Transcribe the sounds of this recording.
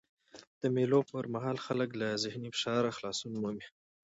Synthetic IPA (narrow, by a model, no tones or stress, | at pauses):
d̪̥əmelopəɾmaɦɑlxaləklazɪhnifɪ̥ʃɑɾaxlɑsunmomi